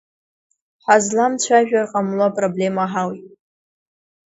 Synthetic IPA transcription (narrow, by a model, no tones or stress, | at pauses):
ħazlamt͡ɕʷʰaʒᶣarqʼamlopʼroble̞maħawit